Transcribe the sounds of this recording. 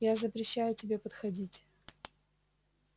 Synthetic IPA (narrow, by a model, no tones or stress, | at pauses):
jazəpɾʲɪɕːæjʊtʲɪbʲe̞pət̪xɐdʲitʲ